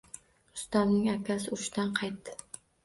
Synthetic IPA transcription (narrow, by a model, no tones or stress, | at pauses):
ʊ̥st̪amnɪŋakʲʰasɪʊʃt̪anqʰɑjt̪ːɪ